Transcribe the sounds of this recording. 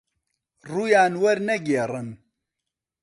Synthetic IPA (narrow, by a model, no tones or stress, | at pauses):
ruːjaːnwɐɾnɛɡeːrɨn